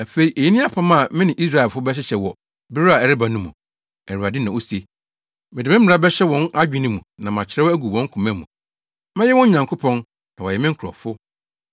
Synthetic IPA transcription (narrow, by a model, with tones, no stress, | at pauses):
æ˨fe˨i˨ʔe˨ji˦nĩ˦a˦pʰã˦mã˦˨mɪ̃˦nɪ̃˨ʔi˦s̬ɾa˦˨ɛ˨fʊ˦bɛ˦ɕ̬ɛ˦ɕɛ˨wɔ˨ | bɪ˦ɾa˨ɛ˨ɾɪ˦ba˨nũ˦mṵ̃˨ | æ˨ɾu˨a˨dɪ˦nã˨o˦si˨e˨ | mɪ˨dɪ˨mɪ̃˦m˦ɪ̃˨ɾa˦bɛ˦ɕɛ˦wɔ̃˨˦nʔa˦d͡ʑᶣɪ̃˦nĩ˦mũ˨nã˨mã˨t͡ɕʰɪ˨ɾɛ˦æ˦ɡu˨wɔ̃˦ŋ̩˦kʰũ˨mɛ̃˦mṵ̃˨ | mɪ̃˦jɛ˦wɔ̃˦ɲ˦ɲã˨ŋkʰo˦pʰɔ̃˦n | nã˨wɔ˨jɛ˨mɪ̃˦ŋ̩˦kʰɾɔ̰˨fʊ˦